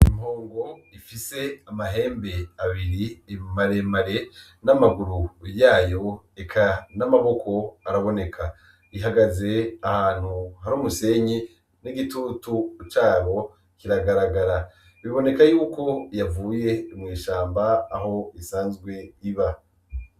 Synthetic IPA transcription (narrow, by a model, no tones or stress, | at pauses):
imhoːŋɡo̞ifise̞amaɦe̞ːmbe̞aβiɾimaɾemaɾe̞ | namaɡuɾujaːjo̞ | ekʰanamaβo̞kʰo̞aɾaβo̞ne̞kʰa | iɦaɡaze̞ahaːn̥huhaɾuːmuse̞ɲi | niɡitutut͡ʃaːβo̞ | kiɾaɡaɾaɡaɾa | βiβo̞ne̞kajuːko̞javuːje̞mŋiːʃaːmbaːɦo̞isaːnzɡwe̞iβa